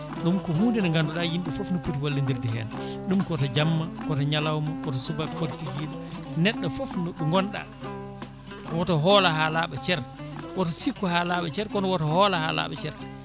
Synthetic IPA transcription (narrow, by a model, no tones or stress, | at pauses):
ɗumkɔhuːndɛnɔŋɡandɔɗajinɗɛfofnɔpːutiwalːindiɾdɛɦɛ̰ːn | ɗumkɔtɔd͡ʒamːakɔtɔɲalawmakɔtɔsubapolitiɡiɗanɛɗːafofnɔɗuŋɡɔnɗa̰ | wɔtɔɦɔːlahalaːɓɛt͡ʃɛɾwɔt̬ɔsikːɔhalaɓɛt͡ʃɛɾkɔnɔwɔtɔhɔːlaha̰la̰ːɓɛ̰t͡ʃɛɾ